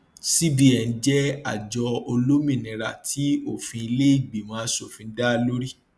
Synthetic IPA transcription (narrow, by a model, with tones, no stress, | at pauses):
si˦bi˦ɛ˨n̩˦d͡ʒɛ˦a˦˨d͡ʒɔ˧o˧lo˦mĩ˦˨nĩ˨˧ɾa˨tʰi˨˦o˦˨fĩ˧i˧le˦i˦˨ɡ͡bi˨mãː˨˦so˦˨fĩ˧˦da˦lo˦ɾi˦˨